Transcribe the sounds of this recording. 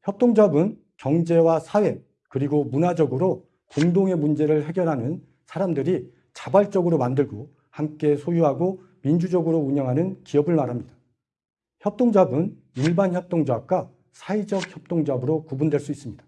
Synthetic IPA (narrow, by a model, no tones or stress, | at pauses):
çjʌp̚t͈oŋd͡ʑabɯn | kjʌŋd͡ʑe̞wasʰawe̞ | kɯɾiɡomunad͡ʑʌɡɯɾo | koŋdoŋe̞mund͡ʑe̞ɾɯɭhe̞ɡjʌɾɦanɯn | sʰaɾamdɯɾi | t͡ɕabaɭt͡ɕ͈ʌɡɯɾomandɯɭɡo | hamk͈e̞sʰojuɦaɡo | mind͡ʑud͡ʑʌɡɯɾouɲʌŋɦanɯnkiʌbɯɭmaɾɦamɲid̥a | çjʌp̚t͈oŋd͡ʑabɯn | iɭbançjʌp̚t͈oŋd͡ʑak̚k͈a | sʰaid͡ʑʌk̚çjʌp̚t͈oŋd͡ʑabɯɾokubundwe̞ɭs͈uis͈ɯmɲid̥ḁ